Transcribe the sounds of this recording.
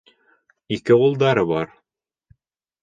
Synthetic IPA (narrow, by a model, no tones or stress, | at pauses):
ikɘulˠd̪ɑɾɤβɑɾ